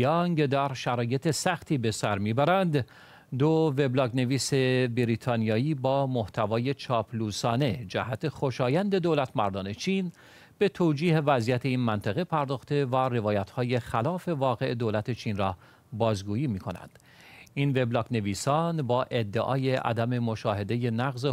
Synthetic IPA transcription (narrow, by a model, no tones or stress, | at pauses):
jɑŋɡd̪æɾʃæɾɒːje̞t̪ʰe̞sæxt̪ʰiːbe̞sæɾmiːbæɾænd̪ | d̪ove̞blɒːkne̞viːse̞biɾit̪ʰɒːnijɒːiːbɒːmoht̪ʰævɒːje̞t͡ʃʰɒːpʰluːsɒːne̞d͡ʒæhæt̪ʰe̞χo̞ʃɒːjænd̪e̞d̪oːlæt̪ʰmæɾd̪ɒːne̞t͡ʃʰiːn | b̥e̞t̪ʰoːd͡ʒiːhe̞væzijæt̪ʰe̞iːnmænt̪ʰæɣepʰæɾd̪ɒːxt̪e̞være̞vɒːjæt̪hɒːje̞xælɒːfe̞vɒːɣe̞ʔed̪oːlæt̪ʰe̞t͡ʃʰiːnrɒː | bɒːzɡuːjiːmiːkʰo̞næ̰nd̪̥ | inve̞blɒːkne̞viːsɒːnbɒːʔe̞d̪ːeʔɒ̰ːjeʔæ̰d̪æme̞mo̞ʃɒːhe̞d̪e̞je̞næɣze